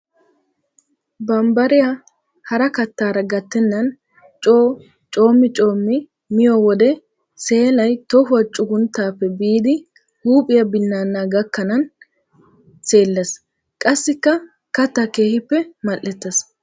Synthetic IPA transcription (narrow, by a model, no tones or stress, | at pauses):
bɐmbɐɾɪja | hɐɾɐkɐt̪ːaːɾɐɡɐt̪ːɛnːɐn | t͡ʃʼoː | t͡ʃʼo̞ːmːɪt͡ʃʼo̞ːmːɪ | mɪjɔwɔd̪ɛ | se̞ːlɐjt̪ɔfʊɐt͡ʃʼʊɡʊnt̪ːaːpːɛbiːd̪ɪ | huːpʼɪjɐbɪnːaːnːaːɡɐkːɐnɐn | se̞ːlːɐs | kʼɐsːɪkːɐ | kɐt̪ːɐke̞ːhɪpːɛmɐʔːɛt̪ːɐs